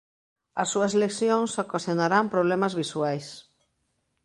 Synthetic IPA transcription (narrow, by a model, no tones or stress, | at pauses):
ɐsːuɐseleksjoŋsokasjonaɾampɾoβ̞lɛmazβiswajs